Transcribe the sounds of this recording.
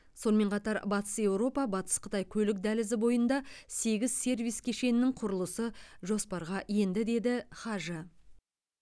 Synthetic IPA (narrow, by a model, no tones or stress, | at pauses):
so̞nəme̞ɴqʰɑt̪ɑɾbɑt̪ə̥sje̞wɾo̞pɑbɑt̪ə̥sqʰə̥t̪ɑjkʲʰɵlɪk̚d̪ælɪzɪbo̞jənd̪ɑse̞ɡʲɪzse̞rvijskʲʰe̞ʃe̞nɪnːɪŋqʰʊɾəlˠəsəʒo̞spɑɾʁɑje̞nd̪ɪd̪e̞d̪ɪχɑʒə